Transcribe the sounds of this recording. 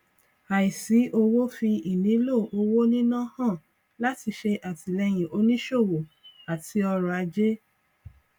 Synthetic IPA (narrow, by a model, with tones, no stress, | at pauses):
a˨i˨si˨˦ʔo˧wo˦fi˧i˨nĩ˨˦lo˦˨o˧wo˦nĩ˦nã˦hã˦˨ | la˦ti˧ʃe˧ʔa˨ti˨lɛ˧j̃ĩ˨o˧nĩ˦ʃo˦˨wo˨a˨ti˧˦ɔ˧ɾɔ˨a˧d͡ʒe˦